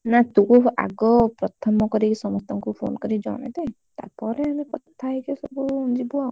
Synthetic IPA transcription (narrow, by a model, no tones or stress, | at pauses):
nat̪ũkua̰ɡɔpɾɔt̪ʰɔmɔkɔɾisɔmɔst̪ʰɔŋkupʰo̰nkɔɾid͡ʒɔ̰ɽ̃ḛd̪e | t̪a̰ɾpɔɾeamekɔt̪ʰajkesɔbuund͡ʒibuaw